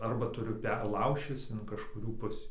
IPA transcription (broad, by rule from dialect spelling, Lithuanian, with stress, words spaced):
ɐrˈbɐ tʊˈrʲʊ ˈpʲɛr ˈlˠɐʊʃʲt͡ʃʲɪs ɪn kɐʃkʊˈrʲuː ˈpʊsʲiː